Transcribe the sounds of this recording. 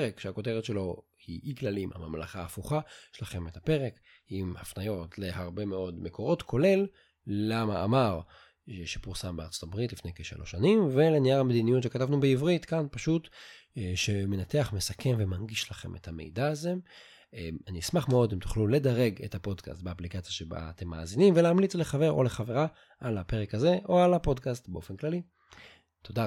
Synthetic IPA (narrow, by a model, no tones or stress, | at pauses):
ʁekʃeako̞te̞ʁetʃe̞lo̞ | hiiɡlalimha̰mamla̰χaːfuχaʃelaχe̞methape̞ʁek | imhafnajo̞tle̞haʁbe̞me̞o̞dmeko̞ʁotkʰo̞le̞lː | ama̰ːmaʁ | ʃepuʁsambeaʁt͡so̥t̪abʁitlifnejkeʃa̰lʔo̞̰ʃanimve̞leniaʁhamed̪inijutʃekatavnubeivʁitkanpaʃut | ʃe̞me̞nateaχmesakʰe̞mvemanɡiʃlaχe̞̰mʔe̞̰thame̞̰jdaːzem | eaniismaχmeo̞demt̪u̥χlule̞daʁe̞ɡe̞̰thapo̞dka̰stbeaplikat͡sjaʃeba̰ːt̪e̞mːa̰ːzinimveleːmlit͡sleχave̞ʁo̞̰le̞χaveʁa | ʔalape̞ʁekaze̞ʔo̞alapo̞dkastbeo̞fenklali | tʰo̞da